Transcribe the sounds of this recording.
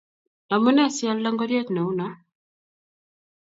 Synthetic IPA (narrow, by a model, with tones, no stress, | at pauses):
na˨mu˦nɛ˦˨sja˦lla˦ŋɡɔ˦ɾje˦t̪nɛ˨u˦na˦